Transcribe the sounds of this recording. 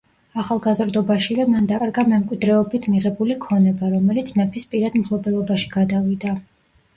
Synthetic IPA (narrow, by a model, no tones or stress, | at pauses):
aχalˠɡazɾd̪ɔbaʃiamand̪akʼaɾɡamɛmkʼwid̪ɾɛɔbit̪ʰmiʁɛbulikʰɔnɛbaɾɔmɛlit̪sʰmɛpʰispʼiɾad̪mpʰlˠɔbɛlˠɔbaʃi̥ɡ̥ad̪avid̪a